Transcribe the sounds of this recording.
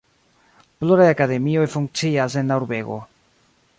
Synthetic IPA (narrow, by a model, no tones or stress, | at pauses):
ploɾaeakaðemioefuŋt͡ʃiazenawɾβeɣo̰